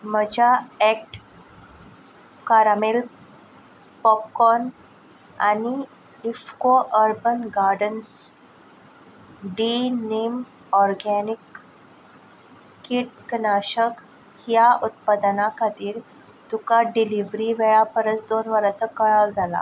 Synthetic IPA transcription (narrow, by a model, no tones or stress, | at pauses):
m̤əd͡ʑʱaek̚ʈ | kaɾamel | pɔp̚kɔn | a̰ni | ifkoʔəɾbənɡaɾɖəns | ɖinem | ɔɾɡɛnik | iʈ̚ɡnaɕək | hjaʔut̪̚pad̪nakʰat̪iːɾ | t̪ukaɖiliʋɾiʋeɭapəɾət͡sd̪onʋəɾat͡səkəɭaʋd͡zʱala̰